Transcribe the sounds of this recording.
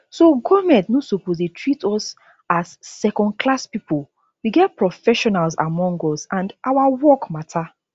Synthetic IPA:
soɡɔmɛ̃ntnosopozetʰɹitʰɔs | azːɛkɔ̃nd̚kʰlaspipul | wiɡɛt̚pɹɔfɛʃɔnalza̰mɔ̃ŋɡɔsãndʔawawɔkmatʰa

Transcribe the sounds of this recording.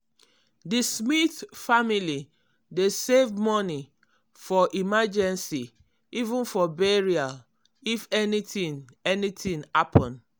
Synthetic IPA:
dismitfamili | desevmɔni | fɔʔimad͡ʒɛ̃nsi | ivũnfɔbɛɹia | ifɛnitĩn | ɛnitʰĩŋhapʰɔ̃n

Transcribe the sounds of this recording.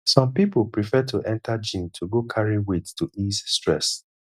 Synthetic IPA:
sɔ̃mpipʊpɹifɛtʰuʔɛ̃ntad͡ʒĩntʰuɡokʰaɹiwettuʔizstɹɛs

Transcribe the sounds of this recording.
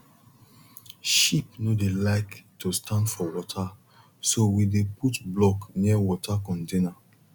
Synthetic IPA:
ʃipnodelaɪktustãndfɔwɔtʰa | sowideputblɔkniəwɔtʰakɔ̃ntena

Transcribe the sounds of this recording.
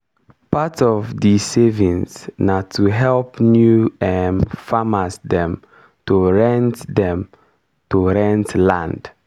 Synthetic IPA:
patɔvdisevĩnsnatʰuɦɛlpnjuɛnfamasdɛ̃m | toɹɛ̃ntdɛ̃m | toɹɛ̃ntlãnd

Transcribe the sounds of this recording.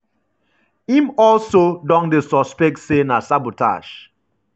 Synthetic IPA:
ĩmɔlsodɔ̃ŋdesɔspɛk̚tsenasabota̰ʃ

